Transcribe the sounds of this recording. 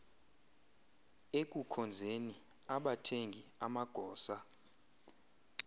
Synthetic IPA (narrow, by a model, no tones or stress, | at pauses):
ek̬ʼukʰɔnd͡zʱeni | aɓatʰeŋɡʱiamaɡ̥ʱɔːsa